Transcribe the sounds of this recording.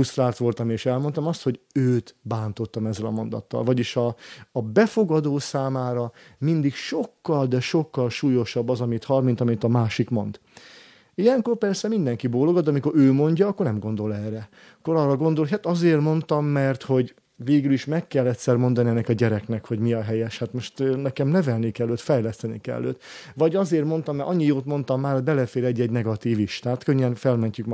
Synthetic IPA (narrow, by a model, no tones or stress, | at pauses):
ust̪raːlt̪ʋo̞lt̪ɒmeːʃɛlmo̞nt̪ɒmɒst̪ho̞ɟøːt̪baːnt̪o̞t̪ːɒmɛzːɛlɒ̰mo̞nd̪ɒ̰t̪ːɒ̰lvɒɟiʃɒːbɛfo̞ɡɒd̪oːsaːmaːɾɒmind̪ikʃo̞kːɒld̪ɛʃo̞kːɒlʃuːjo̞ʃɒbːɒzɒmit̪hɒlmint̪ɒmint̪ɒmaːʃikmo̞nd̪ | ijɛŋko̞rpɛrsɛmind̪ɛŋkiboːloɡot̪d̪ɛɒmiko̞ɾøːmo̞ɲɟɒːkːo̞rnɛmɡo̞nd̪o̞lɛrːɛ | kːo̞ɾɒːrːɒɡo̞nd̪o̞lɦat̪ɒzeːrmo̞nt̪ɒmːɛrt̪ho̞ɟ | veːɡyliʃmɛkːɛlːɛt̪ʲsɛrmo̞nd̪ɒniɛnːɛkɒɟɛɾɛknɛkhoɟmiɒɦɛjɛʃhaːt̪mo̞ʃt̪nɛkɛmnɛvɛlnikɛlːøːt̪fɛjlɛst̪ɛnḭkɛ̰lːø̰ːt̪vɒɟɒzeːrmo̞nt̪ɒmːɛʔɒ̰ɲːijoːt̪mo̞nt̪ɒmːaːrhoɟʲbɛlɛfeːɾɛɟːɛɟnɛɡɒt̪iːviʃt̪aːt̪køɲːɛnfɛlmɛɲcyk